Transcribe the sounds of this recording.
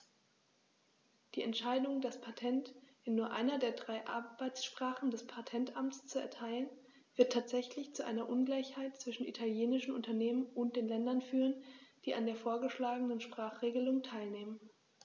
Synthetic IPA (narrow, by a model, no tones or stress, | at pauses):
d̥iːɛntʃaɪdʊŋdaspʰatʰɛnt | ɪnːuːɐʔa̰ɪnɐdeːɐdʁaɪʔa̰ɐbaɪt͡sʃpʁ̥aːχn̩dɛspʰatʰɛntʔamt͡st͡suɛ̰ɐtʰaɪlən | v̥ɪɐtʰaːtz̥ɛçlɪçt͡suʔaɪnɐʔʊnɡlaɪçhaɪt̚t͡sv̥ɪʃn̩ḭtʰaljeːnɪʃn̩ʔʊntɐneːmənʔʊnt̚d̥eːnlɛndɐnfyːʁənd̥iːa̰ndeːɐfoːɐɡəʃlaːɡənənʃpʁ̥aːχʁ̥eːɡəlʊŋtʰaɪlneːmən